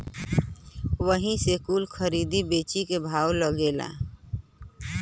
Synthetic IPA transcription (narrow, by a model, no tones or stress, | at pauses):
ʋəɦĩsekuːlkʰəɾid̪ibeːt͡ʃikebʱaːwləɡela̰